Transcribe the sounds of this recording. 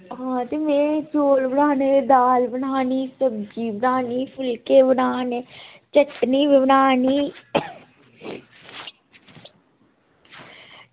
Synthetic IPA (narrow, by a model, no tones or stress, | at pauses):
ɦãːt̪eːmeːnẽːt͡ʃoːlbənaːneːd̪aːlbənaːniːsəb̚d͡ʒiːbənaːniːpʰʊlkeːbənaːneːt͡ʃəʈniːʋbənaːniː